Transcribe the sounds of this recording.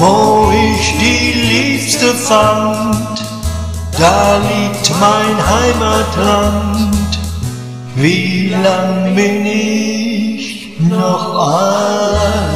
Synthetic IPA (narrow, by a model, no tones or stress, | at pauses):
voːɪçd̥iːliːpstəfant | d̥aːliːk̚tmaɪnhaɪmatlant | viːlaŋbɪnɪ | ç | nɔχa